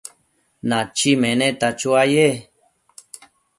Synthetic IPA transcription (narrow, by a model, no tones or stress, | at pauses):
nãt͡ʃimẽnẽt̪at͡ʃuaje